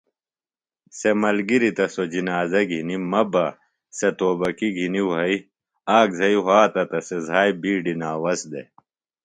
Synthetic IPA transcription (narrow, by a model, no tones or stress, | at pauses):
semɐlɡiɾit̪ɐsod͡ʑinaːzɐɡʱinimɐbɐ | set̪oːbɐkiɡʱiniwɦɐi | aːkzɐiɦaːt̪ɐt̪ɐsezʱaːjbiːɖinaːwɐsd̪ḛ